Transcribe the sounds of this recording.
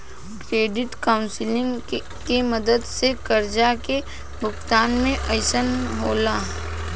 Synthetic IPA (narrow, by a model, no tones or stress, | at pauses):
kɾeːɖɪʈkaːʊ̃nsɪlɪ̃ŋɡ | keməd̪əd̪sekəɾd͡ʒake | bʊkt̪aːnmẽʔɐɪsənɦoːlaːɦ